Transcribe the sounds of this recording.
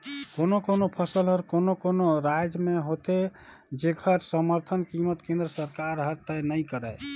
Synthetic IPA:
konokonopʰəsəlɦəɾkonokonoɾajd͡ʒmeɦot̪e | d͡ʒekʰəɾsəməɾt̪ʰənkimət̪kẽnd̪ɾəsəɾkaɾɦəɾt̪ənəjkəɾəj

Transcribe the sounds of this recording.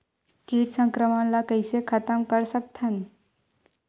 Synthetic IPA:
kiːɽsəŋkɾəmanlakəjsekʰat̪əmkəɾsək̚t̪ʰən

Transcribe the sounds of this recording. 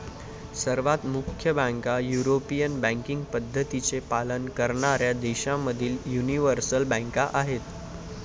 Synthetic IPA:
səɾʋat̪mukʰjəbãŋkajuɾopijənbæ̃ŋkiŋɡpəd̪ʱːət̪it͡sepalənkəɾɳaɾjad̪eɕãmːəd̪ʱiːljuniʋəɾsəlbə̃ŋkaʔaɦet̪

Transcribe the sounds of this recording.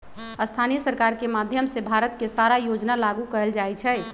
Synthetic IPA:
əst̪ʰanijəsəɾkaɾkemad̪ʱjəmsebʱaɾət̪kesaɾajod͡ʒnalaɡukəəld͡ʒaɛt͡ʃʰɛ

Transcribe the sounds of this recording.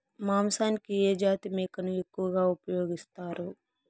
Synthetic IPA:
maːmsaːnkied͡ʒaːt̪imeːkɐnujekːuɡaupjoːɡɪst̪aːɾo

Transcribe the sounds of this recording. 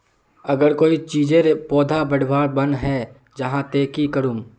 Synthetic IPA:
ɐɡəɾkoːit͡ʃiːd͡ʒẽɾepɔːd̪ʱabɐɽ̤baːɾbɐnɦɛː | d͡ʒɐɦãt̪eːkikəɾuːm

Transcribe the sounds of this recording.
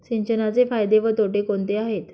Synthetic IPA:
ɕiɲt͡ɕənat͡sefajd̪eʋət̪oʈekont̪eaɦet̪

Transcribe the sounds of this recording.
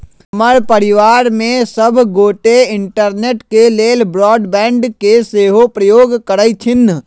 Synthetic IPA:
məɾpəɾɪʋaːɾmẽsəbʱɡoːʈeɪɳʈəɾneːʈkeleːlbɾɔːɖbɛ̃ːɳɖkeseːɦopɾəjoːɡkəɾəjt͡ʃʰɪnː

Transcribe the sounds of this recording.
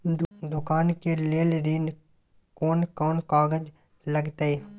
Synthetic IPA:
d̪ʊkaːnkeleːlɾin | koːnkoːnkaːɡəd͡ʒ | ləɡt̪aeː

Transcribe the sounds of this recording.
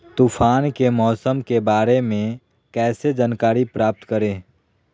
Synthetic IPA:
t̪uːpʰaːnkemɔːsəmkebaːɾemẽ | kɛːsed͡ʒaːnkaːɾipɾaːp̚t̪kəɾẽː

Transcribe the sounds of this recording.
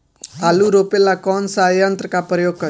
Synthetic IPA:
aluɾopelakɔnsajʌnt̪rəkapɾəjoɡ̚kʌ

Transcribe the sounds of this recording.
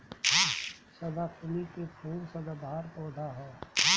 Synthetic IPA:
səd̪apʰnikepʰuːɾsəd̪ad̪ʱaːɾp̪ɔːɖ̪ʱaɦɛː

